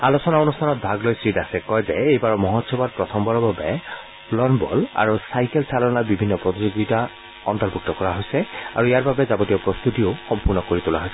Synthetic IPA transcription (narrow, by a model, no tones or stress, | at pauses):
alosɔnaonustʰanɔt̚bʱaɡlojsɹitasɛkɔjzɛejbaɹɔmɔɦɔtsɔbat̚pɹɔtʰɔmbɔɹɔbabɛ | lɔnbɔ̰la̰ɹusajkɛlsʰalɔnaɹbibʱinːɔpɹɔtizoɡita | ɔntɔɹbʱuk̚tɔkɔɹaɦojsɛa̰ɹuijaɹbabɛzabotijɔpɹɔst̪utioxɔmpuɹnɔkoɹitula̰ɦojsɛ